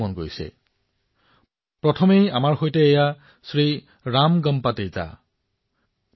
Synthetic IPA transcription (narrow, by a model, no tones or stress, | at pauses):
ɔnɡojsɛ̰ | pɹɔtʰɔmejamaɹxojtɛːja | sɹi | ɹamɡʌmpateza̰